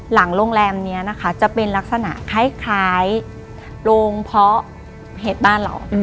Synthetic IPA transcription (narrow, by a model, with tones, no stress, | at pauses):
la˩˦ŋloː˧ŋlɛː˧mni˦˥ɐna˦˥kʰa˦˥t͡ɕa˨˩ʔpe˧nla˦˥k̚sa˧na̰˨˩ʔkʰaː˦˥˩jkʰaː˩˦j | loː˧ŋpʰɔ˦˥ | ɦeː˨˩t̪̚baː˥˩nla̰˨˩˦w